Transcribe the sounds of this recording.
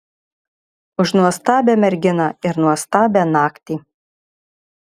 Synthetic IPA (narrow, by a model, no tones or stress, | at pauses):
ʊʃnuɔst̪ɑːbʲæːmʲɛɾʲɡʲɪnɑɪɾnuɔst̪ɑːbʲæːnɑːkt̪ʲiː